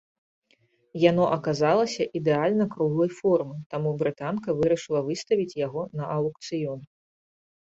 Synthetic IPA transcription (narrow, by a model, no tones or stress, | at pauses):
janɔʔɐkazalˠɐsʲɐʔid̪ɛalʲnɐkɾuɣlˠɐjfɔrmɨt̪amubɾɨt̪ankɐvɨɾɐʂɨlˠɐvɨst̪ɐvʲit͡sʲjaɣɔnɐʔɐwkt̪sɨjɔn